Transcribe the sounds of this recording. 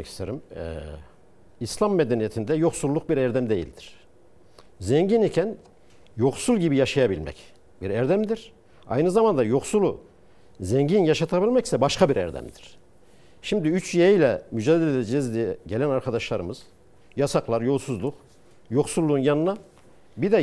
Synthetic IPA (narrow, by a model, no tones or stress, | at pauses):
ɛcʰi̥st̪ʰeɾimɛ | islˠamːed̪enijet̪ʰind̪ɛjo̞xsulˠːuk̚biɾɛɾd̪ɛmd̪e̞jḭlʲd̪iɾ̥ | zɛɲɟinicʰæn | jo̞xsulˠɟibijaʃajabilʲmɛ̰c | biɾæɾd̪æmd̪iɾ̥ | a̰jnɯzamand̪ajo̞xsulˠu | zɛɲɟinjaʃat̪ʰabilʲmɛci̥sɛbaʃkʰabiɾɛ̰ɾd̪æ̰md̪iɾ̥ | ʃimd̪iyt͡ʃjeijlʲɛmyd͡ʒaːd̪elʲelɛd͡ʒeizd̪iɟe̞lʲænaɾkʰad̪aʃlˠaɾɯmɯz̥ | jasaklˠaɾjo̞lˠsuzlˠuk | jo̞xsulˠːuːnjanɯna | bid̪ɛ